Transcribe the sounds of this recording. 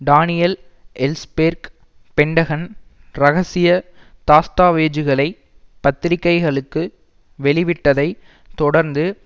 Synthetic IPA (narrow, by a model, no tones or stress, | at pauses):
ɖaːnɪjɐl | ɛlspeɾk | pɛɳɖɐɣɐn | ɾɐɣɐsɪjɐt̪aːst̪aːʋeːd͡ʒɯɣɐɭɐɪ | pɐt̪ːɪɾɪkːɐɪɣɐɭɯkːɯ | ʋɛɭɪʋɪʈːɐðɐɪ | t̪ɔɽɐɾnd̪ɯ